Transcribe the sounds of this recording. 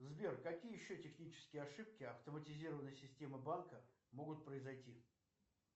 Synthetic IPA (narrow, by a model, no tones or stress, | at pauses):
zbʲerkːɐkʲijəjɪɕːotʲɪxnʲit͡ɕɪ̥skʲɪjəɐʂɨp̚kʲɪɐft̪əmətʲɪzʲiɾəvənːəjsʲɪsʲtʲe̞məbankə | mo̞ɡʊt̪̚pɾəɪzɐjtʲi